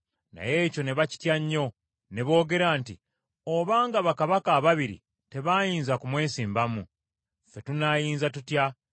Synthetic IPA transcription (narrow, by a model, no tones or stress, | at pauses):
na̰je̞ːco̞ne̞βaci̥tjaɲːo̞ | ne̞βo̞ːɡe̞ɾaːntḭ | oβaːŋɡaβakaβakaːβaβiɾḭ | te̞βajiːnzakumwe̞ːnsiːmbamu | fe̞tunajiːnzatutja